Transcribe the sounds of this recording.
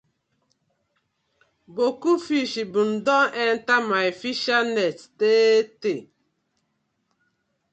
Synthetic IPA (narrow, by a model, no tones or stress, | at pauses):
bokufiʃibun̩dɔɛn̩tamaefiʃanɛttete